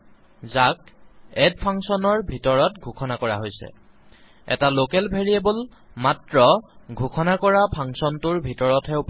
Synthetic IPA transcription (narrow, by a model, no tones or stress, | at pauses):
zakɛdpʰaŋsɔnɔɹbʱitɔɹɔtɡʱukʰɔnakɔɹa̰ɦojsɛ̰ | ɛ̰talokɛlbʱeɹiebolmatɹɔɡʱukʰɔnakɔɹapʰaŋsɔntuɹbʱitɔɹɔtʰɛup